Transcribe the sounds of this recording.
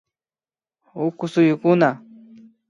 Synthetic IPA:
ʊkʊsʊjʊkʊna

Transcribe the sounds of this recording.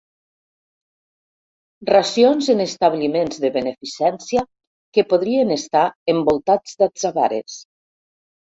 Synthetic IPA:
rasionzenest̪aβlimenzðəβenefisɛnsia | kepoð̞ɾienest̪aembolˠt̪ad͡zd̪ad̪zaβa̰ɾḛs

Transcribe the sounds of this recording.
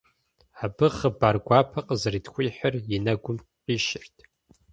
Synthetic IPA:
aːbɨχəbaːrɡʷaːpʰɐqʼəzɨriːtʰxʷiːħərjɪnɐɡʷʊm | qiːʃɪrtʰ

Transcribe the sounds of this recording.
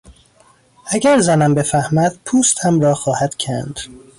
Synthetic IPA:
ʔæɟæɾzænæmbe̞fæhmæd̪̥̚pʰuːst̪hæmɾɒːxɒːhæd̪̥cʰænd̪̥

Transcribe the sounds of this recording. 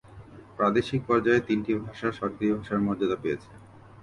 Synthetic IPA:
pɾad̪eʃik̚pɔɾd͡ʑaet̪inʈibʱaʃaɾʃɔɾkɾibʱaʃaɾmɔɾd͡ʑad̪apejet͡ɕʰe

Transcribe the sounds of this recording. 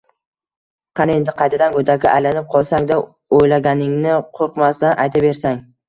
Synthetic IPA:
qʰɑne̞nd̪ɪqʰɑjt̪ʰad̪anɡɵd̪akʲɪʔajlanɪp̚qʰɒlˠsaŋd̪a | ojlaɡʲanɪŋnɪqʰoɾqmast̪anʔajt̪ʰabe̞ɾsaŋ

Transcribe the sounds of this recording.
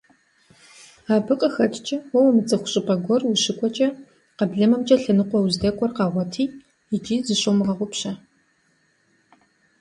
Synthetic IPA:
aːbɨqʼəxɐtʰʼt͡ʃʼɐwɔwɐmɨt͡sʼɐxʷʊ̥ɕʼɨpʼɐɡʷɔrwʊɕɪkʷʼɔt͡ʃʼɐ | qɐbɮɐmɐmt͡ʃʼɐɬɐnɨqʷɔwzdɐkʷʼɔrqɑːʁʷɔtʰiː | ɪt͡ʃʼiːzɨɕomɨʁɐʁʷʊpɕɐ

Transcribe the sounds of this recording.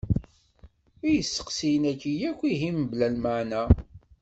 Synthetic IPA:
ijəsːə̥qsijənækːijækʷːiɦimblælməʕnæ

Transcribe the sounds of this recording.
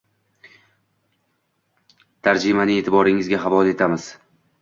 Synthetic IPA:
t̪ʰaɾd͡ʒɪmanɪe̞t̪ʰɪbɒɾɪŋɪzɡʲaɦavɒle̞t̪ʰamɪz̥

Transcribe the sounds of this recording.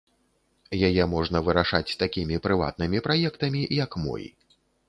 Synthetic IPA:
jajɛmɔʐn̪ɐvɨɾaʂat͡sʲst̪akʲimʲipɾɨva̰t̪̚nɨmʲipɾajɛkt̪ɐmʲijɐkmɔ̰j̰

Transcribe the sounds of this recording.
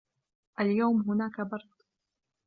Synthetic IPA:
ʔaljawmɦʊnaːkabɑɾˤd̪̥ˤ

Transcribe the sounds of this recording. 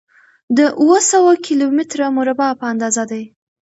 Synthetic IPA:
d̪əʔuwəsawakʰilomɪt̪ɾamʊɾabɑpəand̪ɑzad̪aj

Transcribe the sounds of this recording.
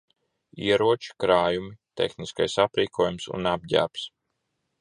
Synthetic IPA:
ḭɛɾuɔt͡ʃi̥kɾaːjumit̪ḛxniskajsapɾiːkʰuɔjumsṵnab̚ɟæ̰ːps

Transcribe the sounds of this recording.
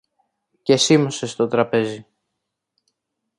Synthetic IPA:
ce̞simose̞st̪o̞t̪ɾɐpe̞zi

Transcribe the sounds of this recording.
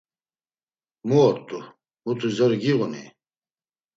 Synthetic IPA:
muɔt̪ːu | mut̪ʰuzɐɾɡiʁɔnḭ

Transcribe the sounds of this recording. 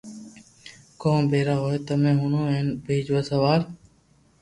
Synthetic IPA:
kõːmbʱeːɾaːɦoːet̪əmẽːɦʊnõːeːnbʱeːd͡ʒʋaːsəʋaːɾ

